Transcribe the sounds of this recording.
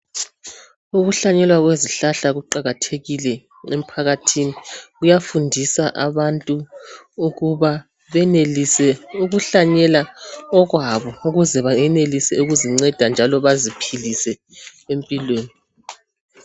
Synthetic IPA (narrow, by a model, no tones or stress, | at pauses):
uɣuɬaɲɛlwaɣweziɬaɬaɣuǃaɣatʰeɣilɛ | em̩pʰaɣatʰiniɣujafundʱisaʔaβantʼu | uɣuβa | βɛnelisɛuɣuɬaɲɛlaɔɣwaβɔuɣuzɛβaɛnelisɛuɣuziŋ͡ǀɛd̥ʱand͡ʒʱalɔβazipʰilisɛ | empʼilweːni